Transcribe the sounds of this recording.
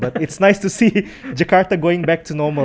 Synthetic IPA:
batɪtsnaɪstusi | d͡ʒəkaɹtaɡoɪ̃ŋbɛk̚tʰunɔmə

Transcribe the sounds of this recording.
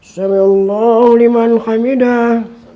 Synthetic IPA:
saɾilːɔlimanxamida

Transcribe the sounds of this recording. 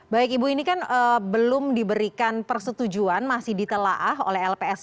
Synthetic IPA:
baɪkibuinikanəbəlʊmdibəɾikanpərsət̪ud͡ʒuanmasɪhdit̪əlaʔaɦo̰lɛɦɛlpeɛs

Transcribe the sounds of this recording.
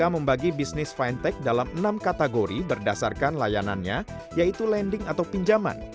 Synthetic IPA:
aməmbaɡibisnɪsfajnt̪ɛk̚dalamənamkat̪aɡoɾibərdasarkanlajana̰nɲa̰ | jait̪ulɛndɪŋat̪awpiɲd͡ʒama̰n

